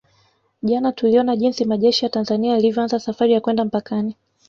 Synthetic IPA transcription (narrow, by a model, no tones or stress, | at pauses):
ʄanatuliɔnaʄinsimaʄɛʃijatanzaniaːlivjɔanzasafaɾijakwɛndam̩pakani